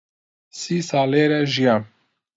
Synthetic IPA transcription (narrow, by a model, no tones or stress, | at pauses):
sisaleɾɛʒija